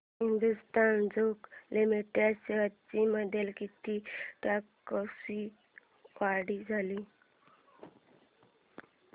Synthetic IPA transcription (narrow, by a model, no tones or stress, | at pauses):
ɦind̪ust̪and͡zoklimiʈjaseʋat̪t͡ɕiməd̪ʱjelkit̪iʈakːəsi | kaɽiːd͡zʱali